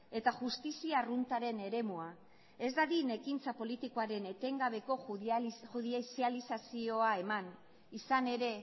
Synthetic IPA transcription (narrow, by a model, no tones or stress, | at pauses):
e̞t̪aʝust̪isiarunt̪aɾe̞ne̞ɾe̞mua | e̞zd̪aðine̞kint͡sapo̞lit̪ikoaɾe̞ne̞t̪e̞ŋɡaβ̞e̞ko̞xuðisialisasio̞ae̞man | isane̞ɾe̞